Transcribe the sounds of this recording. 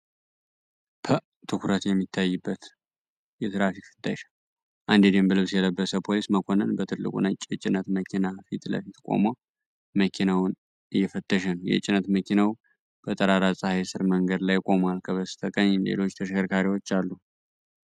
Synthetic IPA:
pʰə | t̪ʰɨkuɾət̪jɛmːit̪ʰːajːɨbːət̪ | jɛt̪ʰɾafikfɨt̪ʰʼːəʃḁ | ʔand̪ed̪embəlɨβsjɛləbːəsəpʰo̞lisməkʰo̞nənbət̪ʰɨlːɨ̰kʼṵnat͡ʃʼːjɛt͡ʃʼɪnət̪məkʰinafit̪lə̰fit̪kʷʼo̞̰ma | məkʰinawn | ʔɨjːɛfət̪ʰːəʃ̬ɛnjɛ̰t͡ʃʼɪnət̪məkʰinaw | b̥ət̪ʼəɾaɾasʼahajsɨɾməŋɡəd̪lajkʼo̞malkʰəβəsɨ̥t̪ʰəkʼəɲːnlḛlo̞t͡ʃːt̪ʰəʃkʰəɾkʰaɾiwo̞t͡ʃːalːu

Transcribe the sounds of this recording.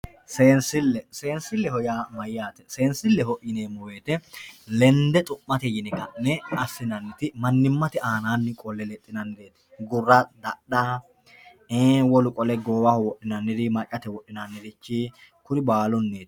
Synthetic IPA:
seːnsɪlːɛse̞ːnsɪlːɛhɔjaːmɐjɪjaːt̪ɛ̥se̞ːnsɪlːɛhɔʔɪneːmɔweːt̪ɛlɛnd̪ɛt̪ʼʊʔːɐt̪ɛjɪnɛkɐnːɛɐsːɪnɐnːɪt̪ɪmɐnːɪmːɐt̪ɪʔaːnaːnːɪkʼɔlːɛlɛt̪ʼːɪnɐnd̪eːt̪ɪ̥ɡʊrːɐd̪ɐɗaː | eːwɔlʊkʼɔlɛɡoːwɐhɔwɔʔːɪnɐnːɪd̪ɪmɐt͡ʃʼːɐt̪ɛwɔɗːɪnanːɪd̪ɪt͡ʃːi | kʊɾɪbaːlɔnːeːt̪

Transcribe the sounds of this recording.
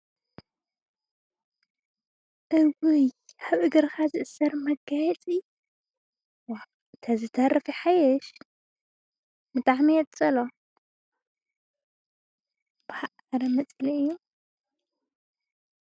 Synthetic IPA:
ʔɨwɨjħɨβɨɡɨɾkʰazɨʔɨsɐɾmɐɡajɛt͡sʼi | wa | t̪ʰɐzɨt̪ʰɐɾɐfiħajɛʃ | bɨt̪ʼaħmijɛt̪ʼt͡sʼɐlo | b̥ɐhaʔ | ɾɐmɐt͡sʼliɨjːu

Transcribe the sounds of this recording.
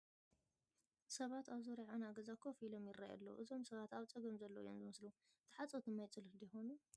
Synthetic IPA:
sɐβat̪aβzoɾiʕanaɡɐzakʰofilomjɪraja̰lːo̰ʔɨzo̞msɐβat̪aβt͡sʼɨɡɐmzɐlːojomzɨmɨslu | t̪ʰɨħat͡sʼot̪ʰɨmajt͡sʼɨlɨhd̪ijxo̞nu

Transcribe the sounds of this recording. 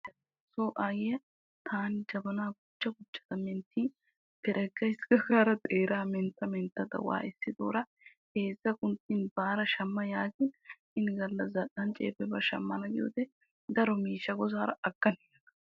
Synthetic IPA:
ɐ | soːʔaːjɪjɐ | t̪ʰaːnɪd͡ʒɐbɐnaːɡʊt͡ʃːɐɡʊt͡ʃːɐ̥t̪ɐmɛnt̪ːiːn | t̪ɛɾʔɛɡːɐjsɡɐɡaːɾɐt̪ʼeːɾaːmɛnt̪ːɐmɛnt̪ːɐd̪ɐ̰wa̰ːʔɛsːɪd̪o̰ːɾɐ | heːzːɐkʊnt̪ːɪnbaːɾɐʃɐmːɐjaːɡɪn | ɪnɡɐlːɐzɐɗɐnt͡ʃʼḛːpɛbɐʃɐ̰mːɐnɐɡɪjo̰d̪ɛ | d̪ɐɾɔmiːʃːɐɡɔzaːɾɐɐkːɐnɛɐnɐ̥

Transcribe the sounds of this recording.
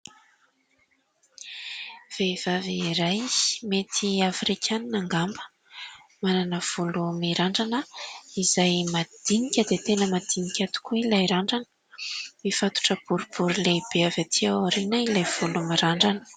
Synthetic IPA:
v̥ev̥aviɾajmet̪ʰiafɾikʰʲaninaŋɡambə̥ | mananəv̥ulumiɾaɳɖ͡ʐanəizajmad̪̥inikʲəd̪et̪enəmad̪inikʲat̪u̥kuilajɾaɳɖ͡ʐanə̥ | mifat̪u̥ʈ͡ʂəb̥uɾub̥uɾileb̥eavat̪ʰiaaɾinailajv̥ulumiɾaɳɖ͡ʐanə̥

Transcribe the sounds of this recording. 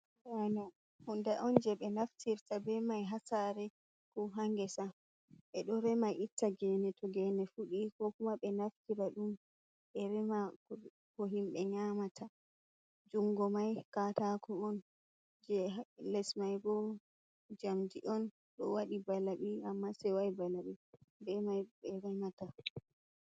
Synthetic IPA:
wana | hundɛʔɔnd͡ʒɛɓɛnaftiɾtabɛmajɦasaɾɛ | kɔɦaŋɡɛsa | ʔɛɗɔɾɛmajʔitːaɡɛnɛtʰɔɡɛnɛfuɗikɔkumaɓɛnaftiɾaɗum | ɓɛɾɛma | kɔɦimɓɛɲamatʰa | d͡ʒuŋɡɔmajkatakʰɔɔn | d͡ʒɛlɛsmajɡɔ | d͡ʒamdiʔɔn | ɗɔ̰waɗibalaɓiamːasɛwajibalaɓɛbɛmajɓɛɾɛmata

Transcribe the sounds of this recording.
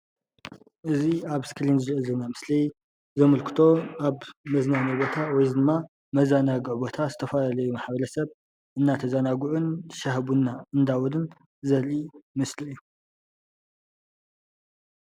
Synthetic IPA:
ʔɨziaβskʰɨlinzɨɾʕɨzɐnamɨslij | zɐmɐlkʰɨ̥t̪ʰo̞aβmɐznanibo̞t̪ʰawɔjzɨd̪ɨmːa | mɐzanaɡʕbo̞t̪ʰazɨt̪ʰɐfɐlalɐjumaħbɐlɐsɐβ | ʔɨnːat̪ʰɐzanaɡuʕunt̪ʰɨ̥ʃaɦβunːaɨnd̪awɔlɨn | zɐlimɨslɨɨjːu

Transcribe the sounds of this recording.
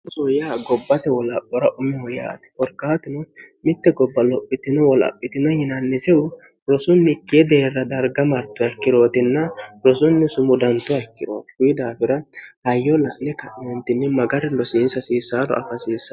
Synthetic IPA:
sɔjaːɡɔbːɐt̪ɛwɔlɐpʼːɔɾɐʔʊmɛhɔja̰ːt̪ɪ̥kɔɾkːaːt̪ɪnɔmɪt̪ːɛɡɔbːɐlɔpʼːɪt̪ɪnɔwɔlɐ̰pʼːɪt̪ɪnɐjɪnɐnːɪsɛʊ | ɾɔsʊnːɪkːɪjɛd̪eːrːɐd̪ɐɾɡɐmɐɾt̪ːʊɐɪkːɪd̪o̞ːt̪ɪnːɐɾɔsʊnːɛsʊmʊd̪ɐnt̪ːʊɐɪkːɪd̪o̰ːt̪ɪ̥hʊjɪd̪aːfɪɾɐhɐjːɔlɐʔnɛkɐʔnɛnt̪ɪnːɛmɐɡɐɾɛlɔsiːnsɐsiːsaːlɔ̰ɐ̰fɐsiːsːɐ

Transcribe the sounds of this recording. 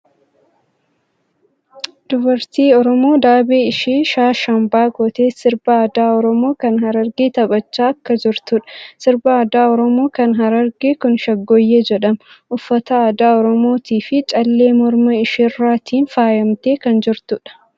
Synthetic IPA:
d̪̥ʊbɐɾt̪iːɔɾɔmo̞ːd̪aːbeːɪʃiːʃaːʃɐmbaːɡɔt̪eːsɪɾbɐːd̪aːɔɾɔmo̞ːkɐnɦɐɾɐɾɡiːt̪ɐbɐt͡ʃːaːɐkːɐd͡ʒɪɾt̪ʊᶑɐ̥sɪɾbɐːd̪aːɔɾɔmo̞ːkɐnɦɐɾɐɾɡeːkʊnʃɐɡːɔjːeːd͡ʒɛᶑɐmʔʊfːɐt̪ɐaːd̪aːɔɾɔmo̞ːt̪iːfɪt͡ʃʼɐlːeːmɔɾmɐɪʃɪrːaːt̪ʰiːnfaːjɐmt̪e̞ːkɐnd͡ʒɪɾt̪ʊᶑɐ̥

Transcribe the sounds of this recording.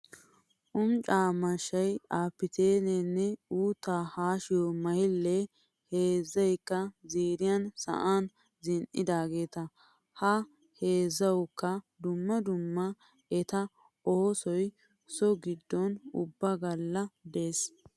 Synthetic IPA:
ʔʊmt͡ʃʼaːmɐʃːɐjaːpːɪt̪eːnɛnːɛuːt̪ːaːhaːʃɪjɔmɐjɪlːɛ | heːzːɐjkːɐziːɾɪjɐnsɐ̰ʔan | zɪnʔɪd̪aːɡe̞ːt̪ɐ | hɐ | heːzːɐwkːɐ | d̪ʊmːɐd̪ʊmːɐ | ɛt̪ɐ | oɔsɔj | sɔɡɪd̪ːɔnʊ̰bːɐɡɐlːɐd̪eːs

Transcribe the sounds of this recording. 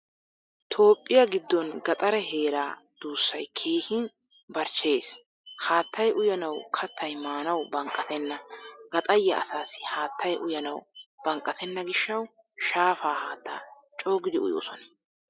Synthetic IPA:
t̪ʰo̞ːpʼːɪjɐɡɪd̪ːɔnɡɐt̪ʼɐɾɛɦe̞ːɾaːd̪̥uːsːɐjkʰe̞ːhɪn | bɐɾt͡ʃːe̞ːs | haːt̪ːɐjʔʊjɐnɐwkʰɐt̪ʰːɐjmaːnɐwbɐŋkʼːɐt̪ɛnːɐɡɐt̪ʼɐjːɐʔɐ̰saːsɪ̥haːt̪ʰːɐjʔʊjɐnɐwb̥ɐŋkʼːɐt̪ʰɛnːɐɡɪʃːɐw | ʃaːfaːhaːt̪ʰːa̰ː | t͡ʃʼoːɡɪd̪ɪʊ̰jo̰ːsɔnɐ

